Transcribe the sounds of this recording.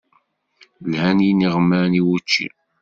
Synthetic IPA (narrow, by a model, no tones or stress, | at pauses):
lhæniniʁəmːəɾniwut͡ʃːḭ